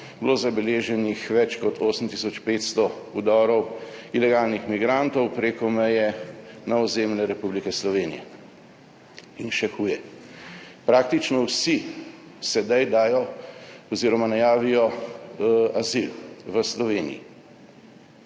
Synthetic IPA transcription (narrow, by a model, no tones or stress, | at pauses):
blozabɛleːʒɛnixʋɛt͡ʃkɔt̪ʰoːsm̩t̪isɔt͡ʃpeːt̪st̪ɔud̪ɔːɾɔwilɛɡaːlnixmiɡɾant̪ɔwpɾeːkɔmɛjɛnaɔzeːmlɛɾɛpublikɛslɔʋeːnḭjɛ̰ | inʃɛxuːjɛ | pɾaːk̚t̪it͡ʃnɔwsi | sɛd̪ajd̪aːjɔɔziːɾɔmanajaːʋijɔ | azilʋəslɔʋeːnḭjḭ